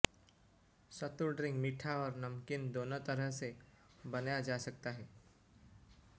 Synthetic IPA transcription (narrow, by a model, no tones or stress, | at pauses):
sɐt̪ʊɾɖɾɪ̃ŋɡmɪʈʰaɔːɾnɐmkɪnd̪oːnot̪ɐɾəɦse | bɐnjad͡ʒaːsɐk̚t̪aɦɛː